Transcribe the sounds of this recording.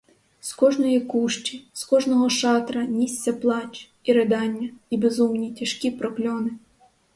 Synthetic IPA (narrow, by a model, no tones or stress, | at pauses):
skɔʒnɔjikuʃt͡ʃʲiskɔʒnɔɦɔʃɑt̪ɾɐnʲisʲt͡sʲːɐplˠɑt͡ʃʲ | iɾed̪ɑnʲːɐibezumnʲitʲɐʃkʲipɾɔklʲɔnɪ